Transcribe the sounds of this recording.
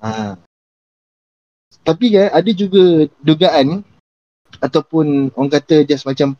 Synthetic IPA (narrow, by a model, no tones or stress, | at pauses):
ʔa | t̪apikanadəd͡ʒuɡəduɡaʔan | at̪awpʊnaŋkat̪əd͡ʒasmat͡ʃam